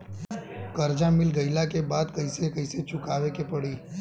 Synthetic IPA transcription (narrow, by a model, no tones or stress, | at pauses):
kəɾd͡ʒãmɪlɡəɪlakebaːd̪kɐɪsekɐɪset͡ʃʊkaːʋekepəɽiː